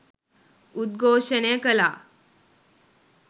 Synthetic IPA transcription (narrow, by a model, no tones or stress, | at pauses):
ud̪̚ɡʱoɕənekəla